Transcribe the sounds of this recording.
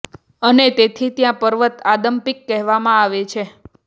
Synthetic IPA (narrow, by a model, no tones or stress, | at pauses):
ənet̪et̪ʰit̪jãpəɾʋət̪ad̪əmpikːɛɦʋamãaʋet͡ʃʰe